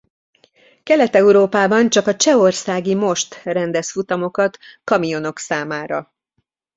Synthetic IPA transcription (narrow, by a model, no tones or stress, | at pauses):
kɛlɛt̪ɛuɾoːpaːbɒnt͡ʃɒkɒt͡ʃɛo̞rsaːɡimo̞ʃt̪rɛnd̪ɛsfut̪ɒmo̞kɒt̪kɒmijo̞no̞ksaːmaːɾɒ